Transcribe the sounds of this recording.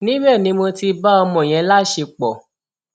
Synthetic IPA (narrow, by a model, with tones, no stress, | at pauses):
nĩ˦bɛ˦˨nĩ˨˦mõ˧ti˧ba˦ɔ˧mɔ̃˨j̃ɛ̃˨˦la˦ʃe˧k͡pɔ˨